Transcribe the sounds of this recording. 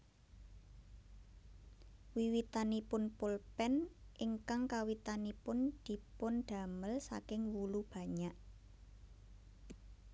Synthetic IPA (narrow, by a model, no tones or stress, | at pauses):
wiwit̪anipʊnpʊlpɛnʔɪŋkaŋkawit̪anipʊnd̪̥i̤pʊnɖ̪̥a̤məlsa̰kɪŋwulub̥ä̤ɲaʔ